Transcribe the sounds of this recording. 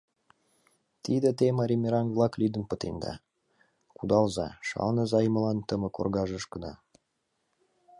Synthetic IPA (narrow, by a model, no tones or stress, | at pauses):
t̪id̪ə̆t̪emɑɾʲimʲeɾɑnvlˠɑklyd̪ə̆npə̆t̪end̪ɑ̰ | kud̪ɑlzɑʃɑ̰lnəzɑjmə̆lɑnt̪əmə̆ko̰rɣɑʒəʃkə̆d̪ɑ